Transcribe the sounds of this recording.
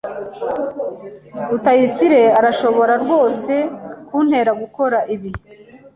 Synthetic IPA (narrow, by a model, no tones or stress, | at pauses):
utajisiɾe̞aɾaʃo̞βo̞ɾaɾɡwo̞ːse̞kun̥he̞ɾaɡuko̞ɾaʔiβi